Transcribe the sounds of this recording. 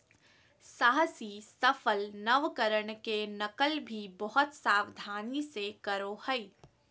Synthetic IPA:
saːɦəsisɐfəlnəʋkəɾəɳkenɐkəlbʱibɔɦʊt̪saːwd̪ʱaːnisekəɾohəi

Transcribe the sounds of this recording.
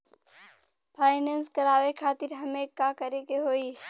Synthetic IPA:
pʰaːɪnẽːnskɐɾaːʋekʰaːt̪ɪɾɦɐmẽkakəɾekeɦoːiː

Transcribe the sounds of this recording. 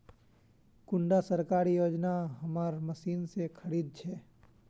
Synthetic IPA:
kʊ̃ɳɖasəɾkaːɾijoːd͡ʒnaɦɐmaːɾmɐsiːnsekʰɐɾiːd̪̚t͡ʃʰɛː

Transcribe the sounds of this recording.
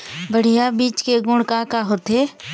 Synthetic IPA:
bəɽ̤ijabiːt͡ʃkeɡʊɽkakaɦot̪eː

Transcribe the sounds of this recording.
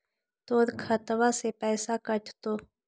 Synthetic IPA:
t̪oːɾkʰɐt̪ʋasepɛːsakəʈʰt̪oː

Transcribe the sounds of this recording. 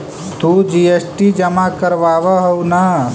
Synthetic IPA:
t̪ud͡ʒiesʈid͡ʒɐmakəɾʋaːʋəɦɐwna

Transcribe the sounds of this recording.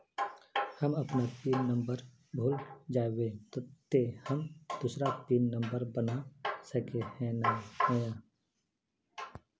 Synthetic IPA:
həmɐpnapiːnnə̃mbəɾ | bʱoːld͡ʒaːwet̪ət̪ːehəmd̪̥usɾapiːnnə̃mbəɾbənasəkehɛ̃naɛjaː

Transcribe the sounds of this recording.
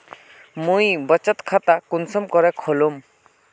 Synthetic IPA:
mũjbɔt͡ʃɔt̪kʰat̪akunsɔmkɔɾɛkʰɔlum

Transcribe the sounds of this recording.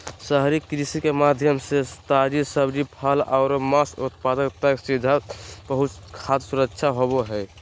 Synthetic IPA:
səɦɾikɾisikemad̪ʱjəmsest̪ad͡ʒisəbd͡ʒipʰəlaʊɾmasut̪̚pad̪əkt̪əksid̪ʱabəɦut̪kʰad̪suɾəkʃʰaɦoboɦɛɪ

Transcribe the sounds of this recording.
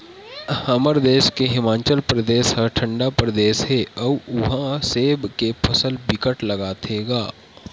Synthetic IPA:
hɐməɾd̪eːʃkeɦɪmaːt͡ʃəlpɾəd̪eːsɦəʈʰə̃ɳɖapɾəd̪eːsɦeːɐʊɦãseːbkepʰɐsəlbɪkəʈlɐɡaːt̪ʰeːɡaː

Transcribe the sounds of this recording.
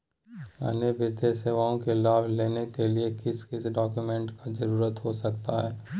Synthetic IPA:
ɐ̰nebɪt̪eseːʋaːõkelaːbleːnekeliekɪskɪsɖɔːkjumɛ̃ɳʈkazɐɾuːɾət̪ɦosɐkt̪aɦɛː

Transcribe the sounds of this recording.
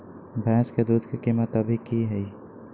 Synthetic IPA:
bʱɛ̃ːsked̪uːd̪ʱkikimət̪əbʱikiɦɛi

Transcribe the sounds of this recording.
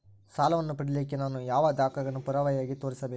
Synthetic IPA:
saːlɐʋɐnːupɐɽilikːenaːnujaːʋɐd̪aːkɐɡɐɳupuɾɐʋɐjaːɡit̪o̞ːɾisɐbeːu

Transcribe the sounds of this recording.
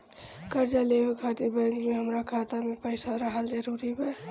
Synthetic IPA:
kəɾd͡ʒalebekʰat̪iɾbɛŋɡmeɦəmɾakʰat̪amepəɪsaɾəɦəld͡ʒəɾuɾibe

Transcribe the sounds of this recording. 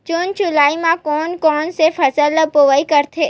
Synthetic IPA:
t͡ʃʊnt͡ʃʊlaːimãkɔːnkɔːnsefʰɐsəlːəpoʋaikəɾt̪ʰeː

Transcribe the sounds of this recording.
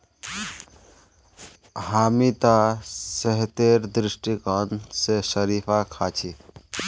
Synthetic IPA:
ɦamit̪asəɦt̪eɾd̪ɾisʈikənsesəɾipʰakʰat͡ʃʰi

